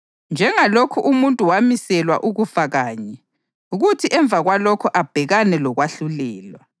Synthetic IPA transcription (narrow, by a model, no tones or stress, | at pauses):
nd͡ʒʱɛŋalokʰuʔumuntʼuwamisɛlwa̰ʔuɣufaɣaːɲɛ | uɣutʰiʔɛɱb̪vʱaɣwalɔkʰɔʔab̥ʱɛɣanɛlɔɣwaɬulɛːlwa